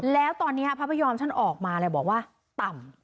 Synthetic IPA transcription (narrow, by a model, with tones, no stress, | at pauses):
lɛː˦˥wt̪ɔː˧nːiː˦˥ɐpʰa˦˥pʰa˧jɔː˧mt͡ɕ̪ʰa˥˩nʔɔː˨˩k̚maː˧lɛː˧˩wbɔː˨˩k̚waː˥˩ | t̪a˨˩m